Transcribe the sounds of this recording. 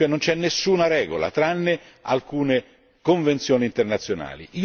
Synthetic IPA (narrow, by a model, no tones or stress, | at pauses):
enːont͡ʃɛnːesːuːnaɾɛːɡo̰la̰t̪ɾanːe | a̰lkuːne | koɱvent̪sjoːniːnt̪ernat̪sːjona̰ːlḭiː